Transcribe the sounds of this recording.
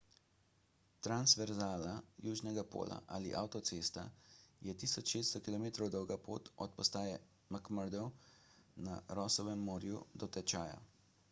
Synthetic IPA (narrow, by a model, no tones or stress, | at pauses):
t̪ɾansʋɛɾzaːlajuːʒnɛɡapo̰ːlʔa̰ʔaːliʔawt̪ɔsest̪ajɛt̪iːsɔt͡ʃʃeːsst̪ɔkilɔmeːt̪ɾɔwd̪ɔwɡapʰo̰ːt̪ɔt̪̚pɔst̪aːjɛ | makməɾd̪ɔwna̰ɾɔsɔʋɛmːoːɾjud̪ɔt̪ɛt͡ʃaːja̰